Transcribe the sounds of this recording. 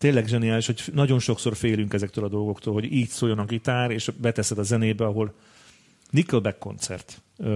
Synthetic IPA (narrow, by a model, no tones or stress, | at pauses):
t̪eːnlːɛɡʒɛnijaːliʃho̞cnɒɟo̞nʃo̞kso̞rfeːlyŋkɛzɛkt̪øːlɒd̪o̞lɡo̞kt̪oːlɦo̞ɟiːcsoːjo̞nɒkit̪aːɾeːʃbɛt̪ɛsɛd̪ɒzɛneːbɛɒɦo̞l | nikølbɛkːo̞̰nt̪sɛ̰rt̪